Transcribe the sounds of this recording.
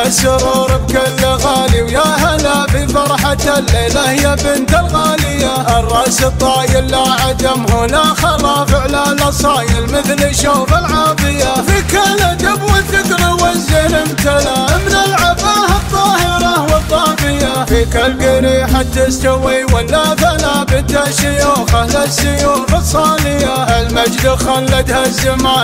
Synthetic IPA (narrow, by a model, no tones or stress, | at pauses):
asʊɾˤuːɾɪb̚kalːɣaːliwjahalafifɑɾˤħat̪alːeːlahɪjːabɪnt̪ɪlɣaːlɪjːaʔɪrˤːɑsɨt̪ˤːɑːjɪlːaʕad̪amhʊnaxɑlˤɑfɪʕlaːlasˤɑːjɪlmɪθlɪʃoːfɪlʕɑːðˤɨjafikalad̪abwɪd̪ɪkɾiwazːɪɾɪmt̪alamnɪlʕabaːhɑˤːɑːhɪɾˤɑwɑt̪ˤːɑːbɪjafikalɡɪɾiħat̪ːɪst̪awiwalːaθalabɪt̪aʃʊjuːxalasːʊjuːfɑsˤɑːlɪjaʔɪlmad͡ʒd̪ɪxalːat̪hazːɪmaː